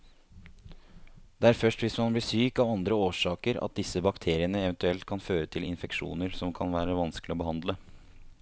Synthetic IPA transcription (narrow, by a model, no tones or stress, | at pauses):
d̪̥ɛæɾfœʂʈʋɪsmɑnbliːsyːkɑʋɑnd̪ɾəoːʂɑːkəɾɑ̰t̪̚d̪ɪsːəbɑkt̪ʰeːɾɪənəɛʋənt̪ʉɛlt̪kʰɑnføːɾət̪ʰɪlɪnfɛkʂṵːnəɾsɔmkʰɑnʋæːɾəʋɑnsklɪɔbəhɑnd̪lə